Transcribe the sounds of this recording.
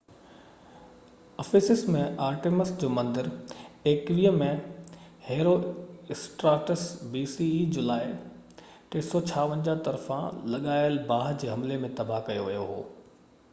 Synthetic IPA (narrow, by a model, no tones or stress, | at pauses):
ɐfiːsɪsmẽaːɾʈeːmɪsd͡ʑoːmɐ̃nd̪ɪɾeːkʋiːɦəmẽ | heːɾoɪsʈɾaːʈəsbiːsid͡ʑʊlaːɪ | ʈeːsɔt͡ɕʰaːʋə̃ɲd͡ʑaːt̪ɐɾfã̰lɐɠaːɪəlbaːɦd͡ʑeːɦɐmlemẽt̪ɐbʱakɐjoʋɐjoɦo̰ː